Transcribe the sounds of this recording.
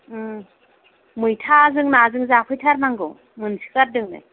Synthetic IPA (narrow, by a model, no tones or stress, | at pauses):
mɯjtʰazɯŋnazɯŋzapʰɯjtʰaɾnaŋɡɯw | mɯnsi̥kaɾdɯŋnɯ̰